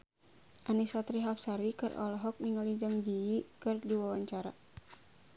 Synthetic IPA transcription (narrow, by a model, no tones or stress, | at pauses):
ʔanisɔt̪ɾiɦap̚saɾikɨrʔɔ̰lɔɦɔk̚niŋalid͡ʒaŋd͡ʒiikɨrdiwawaɲt͡ʃaɾa